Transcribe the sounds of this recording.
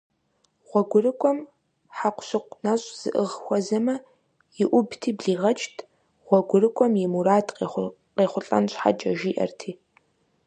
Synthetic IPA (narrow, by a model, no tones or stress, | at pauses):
ʁ̥ʷɔɡʷʊrɨkʷʰʼɔm | ħaqʷɕɪqʷnɐɕʼz̥ɨʔɨʁxʷɔzɐmɐ | jɪʔʷʊbtʰiːbɮiːʁɐt͡ʃʼtʰ | ʁ̥ʷɔɡʷʊrɨkʷʰʼɔmjɛmuɾaːtʰʼqe | qeːχʷʊɬʼɐ̰nɕʼħa̰d͡ʒʼɐʒiːʔɐ̰rtʰiː